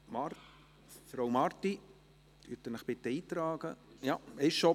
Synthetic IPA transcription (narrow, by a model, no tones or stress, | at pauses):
mɑɾ | fɾowmɑɾt̪i | yt̪ənəχb̥ɪt̪ːəiːt̪ɾɑːɡ̥ə̰jɑɪʃo